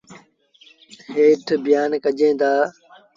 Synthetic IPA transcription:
heːʈʰbɪjaːnkəd͡ʒẽːd̪aː

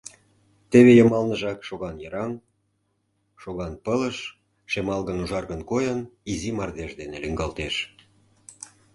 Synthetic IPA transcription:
t̪eβejə̆mɑlnə̆ʒɑkʃoɣɑnjɤɾɑm | ʃoɣɑnpələʃ | ʃemɑlɣənuʒɑrɣənkojɤnizimɑrd̪eʃd̪eneliŋɡɑlt̪eʃ

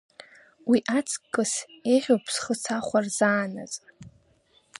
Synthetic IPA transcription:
wiʔat͡sʰkʼːɨseʁʲowpʰsχət͡sʰaχʷarzaːna̰t͡sʼ

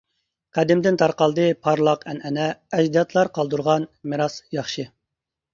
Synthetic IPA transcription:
qʰæd̪ɪmd̪ɪnt̪ʰɑɾqɑlˠd̪ɨpʰɑɾlˠɑqɛnɛnɛɛʒd̪ijɑt̪ʰlˠɑɾqʰɑlˠd̪uɾʁɑnmɨɾɑsjɑχʃɨ

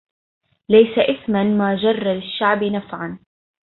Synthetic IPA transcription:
lajsaʔɪθmanmaːd͡ʒɑrˤːɑlɪʃːaʕbɪnafʕan

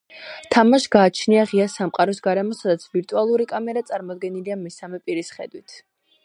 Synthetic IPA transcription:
t̪ʰamaʃɡaːt͡ʃʰniaʁiasamqʼaɾɔsɡaɾɛmɔsad̪at̪sʰviɾt̪ʼualˠuɾikʼamɛɾat̪sʼaɾmɔd̪ɡɛniliamɛsamɛpʼiɾisχɛ̰d̪wit̪ʰ

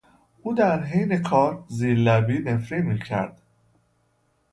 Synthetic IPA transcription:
uːd̪æɾɦejnekʰɒːɾziːɾlæbiːnefɾiːmiːcʰæ̰ɾd̪̥

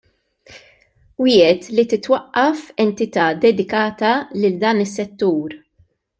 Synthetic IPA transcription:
wɪːɛt̪lit̪ɪt̪wɐʔːɐfɛnt̪ɪt̪ɐːd̪ɛd̪ɪkɐːt̪ɐlɪld̪ɐːnɪsːɛt̪ːuːɾ

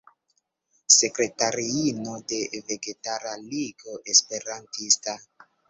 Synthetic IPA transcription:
se̞kɾe̞taɾiino̞de̞ve̞ɡe̞taɾaliɡo̞ʔe̞spe̞ɾantista

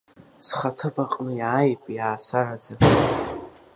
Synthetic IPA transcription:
sχatʰɨbaqʼnɨjaːjpʼjaːsarad͡za

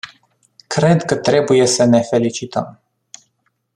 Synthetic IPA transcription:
kɾe̞d̪kət̪ɾe̞buje̞səne̞fe̞lit͡ʃit̪əm

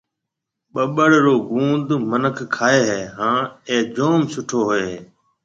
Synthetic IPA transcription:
ɓəɓəɽɾoːɡũːnd̪mənəkʰkʰːaːeːɦeːɦãːeːd͡ʒoːmsʊʈʰoːɦʊeː

